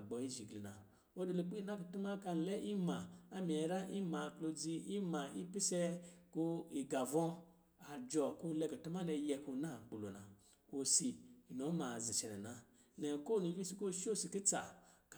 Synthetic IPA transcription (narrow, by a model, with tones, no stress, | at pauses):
ɡ͡bɔ˨i˦ʒi˨ɡli˨na˨ | o˦de˧lo˧˦k͡pi˦i˦na˦ku˨tu˦ma˦ka˧n˨lɛ˦ʔi˦ma˨a˦mi˨ɛ˨ɾa˦ʔi˦ma˨klo˧d͡zi˧i˦ma˨i˦pi˦sɛ˦ku˧i˨ɡa˨vɔ̃˦ | a˨d͡ʒɔ˨ku˦lɛ˧ku˨tu˦ma˦lɛ˧jɛ˧ku˧˦na˦˨ɡ͡bu˨lo̰˨na̰˨ | o˨si˨i˨no˨˦ma˨zi˨t͡ʃɛ˨nɛ˨na˧ | nɛ˨ko˦˨nu˨˦bi˦si˧˦ko˦˨ʃo˦˨si˨ki˦t͡sa̰˨k